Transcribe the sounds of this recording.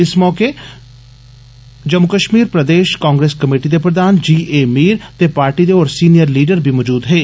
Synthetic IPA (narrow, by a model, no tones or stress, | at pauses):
ɪsmɔːke | d͡ʒəmːʊkəʃmiːɾpɾəd̪eːʃkãːŋɡɾeːskəmeːʈid̪epɾəd̪aːnd͡ʒiːʔeːmiːɾt̪eːpaːɾʈid̪eɔːɾsiːnijəɾliːɖəɾbʱimɔːd͡ʒuːd̪ɦeː